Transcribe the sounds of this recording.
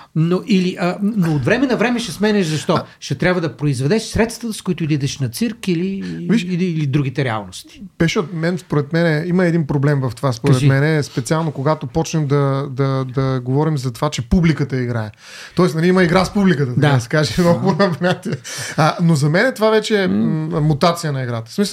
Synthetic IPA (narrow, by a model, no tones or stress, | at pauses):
noʔiliʔənoot̪vɾɛmɛnɐvɾɛmɛʃɛsmɛnɛʒzɐʃt̪ɔʃɛt̪ɾʲabvɐd̪ɐpɾoizvɛd̪ɛʃsɾɛt̪st̪vət̪əskoit̪ʊid̪id̪ɛʃnɐt̪siɾkiliviʃilid̪ɾuɡ̟it̪ɛɾɛa̰lˠnost̪i̥bɛʃɛot̪̚mɛnspoɾɛt̪mɛnɛiməɛd̪inpɾoblɛmvɐft̪ovaspoɾɛt̪mɛnɛspɛtsialˠnokoɡat̪opɔt͡ʃnɛmd̪ɐd̪ɐd̪ɐɡovɔɾimzɐt̪ovat͡ʃɛpublikət̪əiɡɾaɛ | t̪ɔɛsnɐliiməiɡɾaspublikət̪ət̪dɐd̪asɛ̥kaʒɛnoɐmnat̪iəənozɐmɛnɛt̪ovavɛt͡ʃɛːmut̪at̪sijənɐiɡɾat̪ə̥smis